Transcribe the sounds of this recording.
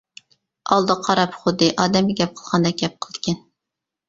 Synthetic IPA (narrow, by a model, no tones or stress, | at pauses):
ɑlˠd̪ɨqʰɑɾɑpχʊd̪ːɨʔɑːd̪ɛmɡʲɛɡʲɛp̚qʰəlˠʁɑnd̪ɛɡʲɛp̚qʰəlˠɨd̪kʲʰɛn